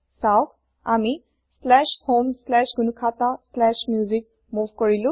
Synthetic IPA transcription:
sawk | a̰mi | slɛʃhomslɛʃɡunukʰataslɛʃmjuzik̚ | muvkɔɹilũ

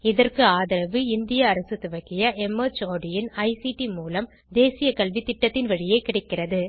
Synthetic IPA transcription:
ɪðɐrkɯaːðɐɾɐʋɯɪnd̪ɪjɐːɾɐsɯt̪ɯʋɐɣɪjɐʔɛmot͡ʃoːɽɪjɪnɐɪsiʈimuːlɐm | d̪eːsɪjɐkɐlʋit̪ɪʈːɐt̪ːɪnʋɐɻɪjeːkɪɽɐkːɪrɐðɯ

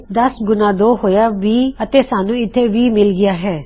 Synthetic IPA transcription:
d̪əsɡʊnaːd̪oːɦoːjaːʋiːət̪eːsaːnũːɪt̪ʰːeːʋiːmɪlɡɪjaːɦɛː

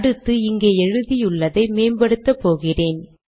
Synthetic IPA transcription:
ɽɯt̪ːɯɪŋɡeːɛɻɯðijʊɭːɐðɐɪmeːnbɐɽɯt̪ːɐpːoːɣɪreːn

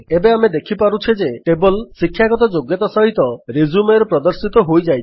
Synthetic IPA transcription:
ebeamed̪ekʰipaɾut͡ʃʰid͡ʒeʈebɔlsikʰːjaɡɔt̪ɔd͡ʒoɡjɔt̪asɔɦit̪ɔɾizumeɾɔpɾɔd̪ɔɾsit̪ɔɦojd͡ʒajt̪ʰi̥

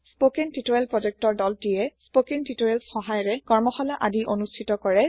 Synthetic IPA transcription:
spokentitoɛlpɹɔd͡ʒɛk̚tɔɹdɔltijɛspokentitoɛlsxɔɦajɔɹɛkɔɹmɔxɔlaʔadiʔonustʰitɔkɔɹɛ

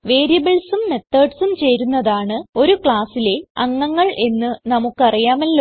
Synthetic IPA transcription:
ʋe̞ːɾijɐbɐɭsumːe̞t̪ːɐːɖsumt͡ɕe̞jɾunːɐðaːɳɨo̞ɾukɭaːsile̞ɐŋːɐŋːɐɭe̞nːɨnɐmukːɨɐrijaːmɐlːo

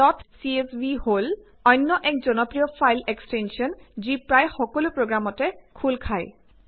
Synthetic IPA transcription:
dɔtʰsiesbihol | ɔjnːɔʔɛk̚zɔnɔpɹijɔpʰajlekstensiɔnzipɹajxɔkɔlupɹoɡɹamɔtɛkʰulkʰaj

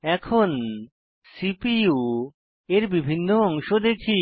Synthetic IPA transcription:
ɛkʰon | sipiu | eɾbibʱinːoɔŋʃod̪ekʰi

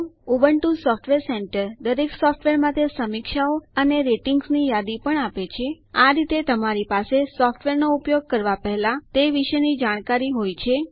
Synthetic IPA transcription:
obəɳʈusɔfʰʈʋeɾseɳʈəɾd̪əɾeksɔfʰʈʋeɾmãt̪ʰesəmɪkʃaoəneɾeʈiŋɡsnijad̪ipəɳapet͡ʃʰe | aɾit̪et̪əmaɾipasesɔfʈʋeɾnoupjoɡ̚kəɾʋapəɦelãt̪eʋiʃənid͡ʒaɽ̃kaɾiɦojt͡ʃʰe

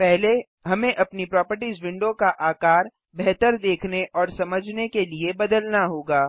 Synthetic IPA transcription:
pɛɦle | ɦɐmẽʔɐpnipɾɔːpəɾʈizʋɪ̃ɳɖõkaʔaːkaːɾ | bɛɦt̪əɾd̪eːkʰneʔɔːɾsɐməd͡ʒʱnekeliebɐd̪əlnaɦoːɡaː

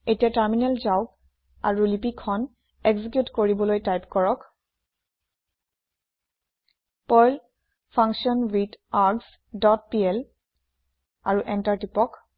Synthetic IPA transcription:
etijataɹminɛlzawɡ | a̰ɹulipikʰːɔn | ɛɡzik̬jutkoɹibɔlojtajpkɔɹɔk | pɔjl | pʰãŋksiɔnwitaɹɡs | dɔt̚piɛl | aɹuʔɛntaɹtipɔk

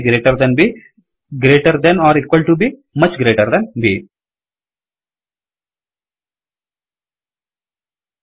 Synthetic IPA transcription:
ɡɾeːʈəɾd̪ɛ̃nbi | ɡɾeːʈəɾd̪ɛ̃naːɾiːkwəlɖʈubiːmʌt͡ʃɡɾeːʈəɾd̪ɛ̃nbiː

